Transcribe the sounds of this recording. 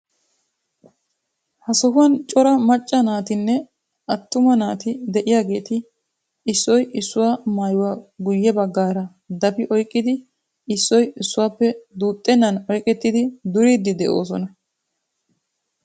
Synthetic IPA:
hɐsɔɦʊwɐnt͡ʃʼɔɾɐmɐt͡ʃʼːɐnaːt̪ɪnːɛ | ʔɐt̪ːʊmɐnaːt̪ɪd̪ɛʔɪjaːɡe̞ːt̪ɪː | sːɔjɪsːʊwaːmaːjʊwaːɡʊjːɛbɐɡːaːɾɐ | d̪ɐfɪʔɔjkʼːɪd̪ɪ | ɪsːɔjɪsːʊwaːpːɛd̪uːt̪ʼːɛnːɐnɔjkʼɛt̪ːɪd̪ɪd̪ʊɾid̪ɪd̪ɛʔo̞̰ːs̬ɔnɐ

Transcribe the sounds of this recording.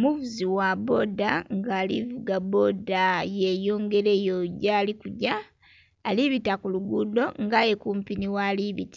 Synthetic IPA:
omuvuziwabo̞daŋɡaːlḭvuɡabo̞dajejo̞ːŋɡe̞ɾeːjoɟaːlikuɟaː | liβitakuluɡudo̞ŋɡajekuːmpiniwaliβḭti̥

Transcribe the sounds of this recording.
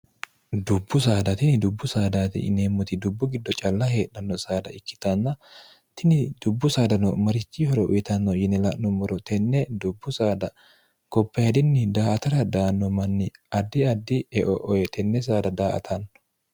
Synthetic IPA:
d̪ʊbːʊs̬aːd̪ɐt̪ɪnɪd̪ʊbːʊsaːd̪aːt̪ɪ̰neːmːʊt̪ɪd̪ʊbːʊɡɪd̪ːɔt͡ʃʼɐlːɐhe̞ːᶑɐnːɔsaːd̪ɐɪkːɪ̥t̪ɐnːɐ | t̪ɪnɪd̪ʊbːʊsaːd̪ɐnɔmɐɾɪt͡ʃːihɔɾɔʔʊ̰jɪt̪ɐnːɔjɪnɛlɐʔnɔmɔɾɔt̪ɛnːɛd̪ʊbːʊsaːd̪ɐ | kɔpːɐhɛd̪ɪnːɪd̪aːʔɐt̪ɐɾɐd̪aːnːɔmɐnːɪɐd̪ːɪɐd̪ːɪɛʔɔʔɔɛt̪ʰɛnːɛs̬aːd̪ɐd̪aːʔɐ̰t̪ʰɐnːɔ

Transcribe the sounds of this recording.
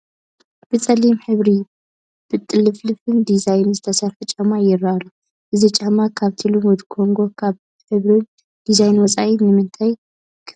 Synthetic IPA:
b̥ɨt͡sʼɐlimħɨβɾi | b̥ɨt̪ʼːɨlɨflɨfɨnd̪izajnzɨt̪ʰɐsɐɾfɨt͡ʃʼamajɪɾːaalːu | ʔɨzit͡ʃʼamakʰaβt̪ʰɨlunwɔd̪kʰo̞ŋɡo̞kʰaβ | ħɨβɾin | d̪̥izajnwɔt͡sʼainɨmɨnt̪ʰaj | kʰ

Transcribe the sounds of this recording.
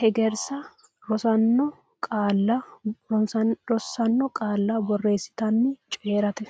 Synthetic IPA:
hɛɡɛɾsɐ | ɾɔsɐnːɔ | kʼaːlːɐɔɾɔsːɐnːɔkʼaːlːɐbɔrːe̞ːsːɪ̥t̪ɐnːɪt͡ʃʼeːɾɐt̪ɛ

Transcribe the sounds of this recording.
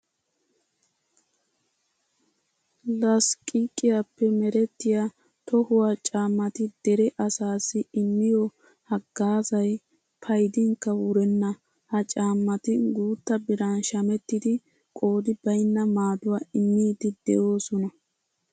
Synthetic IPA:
lɐskʼikʼːɪjapːɛmɛɾɛt̪ːɪja | t̪ɔhʊwat͡ʃʼaːmːɐt̪ɪd̪̥ɛɾɛʔɐsaːsɪɪmːɪjɔ | hɐɡ̥ːaːzɐj | pʰɐjd̪ɪŋkːɐwʊɾɛnːɐ | hɐt͡ʃʼaːmːɐt̪ɪɡuːt̪ːɐbɪɾɐnʃɐmɛt̪ːɪd̪ɪ | kʼo̞ːd̪ɪbɐjnːɐmaːd̪ʊwaːɪmːiːd̪ɪd̪ɛ̰ʔo̞ːsɔnɐ

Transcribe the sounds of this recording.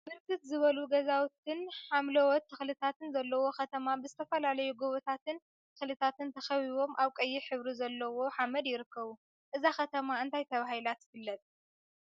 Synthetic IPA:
bɨɾkʰɨt̪zɨβɐluɡɐzawt̪ʰɨnħamlɐwɔt̪ʰːɨxlɨt̪ʰat̪ɨnzɐlːɐwo̞xɐt̪ʰɐmabɨzɨt̪ʰɐfɐlalɐjuɡoβot̪ʰat̪ɨn | t̪ʰɨxlɨt̪ʰat̪ɨnt̪ʰɐxɐβiβo̞mʔaβkʼɐjːiħɨβɾizɐlːɐwo̞ħamɐd̪jɪɾɨkːɐβu | ʔɨzaxɐt̪ʰɐmaɨnt̪ʰajt̪ʰɐβahilat̪jɪfɨlːɐt̪ʼ

